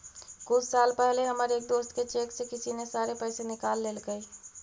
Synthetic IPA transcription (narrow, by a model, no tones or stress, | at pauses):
kʊlʰsaːlpɛɦleɦəməɾeːk̚d̪oːst̪ket͡ʃeːksekɪsinesaːɾepəɪsenɪkaːlːeːlɡəj